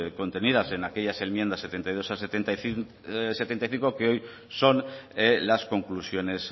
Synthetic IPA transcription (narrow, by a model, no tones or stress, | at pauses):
kõ̞nt̪e̞niðase̞nake̞ʎase̞lmje̞nd̪ase̞t̪e̞nt̪ajðo̞saset̪ent̪aθ | se̞t̪e̞nt̪ajθiŋkokeo̞j | so̞nelasko̞ŋklusjo̞ne̞s